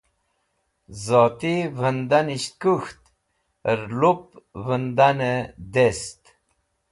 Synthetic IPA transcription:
zoːt̪ivənd̪aniɕt̪̚kuxt̪ | ɾlup̚vənd̪anəd̪est̪

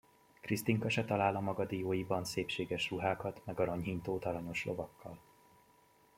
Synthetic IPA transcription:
krist̪iŋkɒʃɛt̪ɒlaːlɒmɒɡɒd̪ijoːjibɒnseːpʃeːɡɛʃruɦaːkɒt̪mɛɡɒɾɒɲɦint̪oːt̪ɒlɒɲo̞ʃlo̞̰vɒkʰːɒl

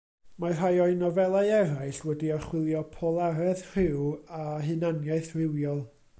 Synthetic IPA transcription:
mar̥ajɔɨnɔvɛlˠaɨɛɾaɨɬwɛdiaχwɪlˠjɔpʰolˠaɾɛðr̥ɪwaɦɨnanjaɨθrɪwjɔlˠ

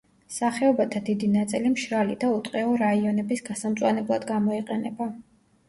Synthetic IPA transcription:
saχɛɔbat̪ʰad̪id̪inat̪sʼilimʃɾalid̪aut̪ʼqʼɛɔɾaiɔnɛbisɡasamt̪sʼwanɛblˠad̪ɡamɔiqʼɛnɛba

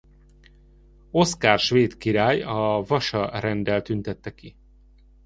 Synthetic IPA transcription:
o̞skaːrʃveːt̪kiɾaːjɒvɒʃɒɾɛnd̪ɛlt̪ynt̪ɛt̪ːɛki

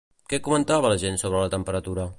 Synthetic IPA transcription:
kɛkumənt̪aβələʒensoβɾələt̪əmpəɾət̪uɾə

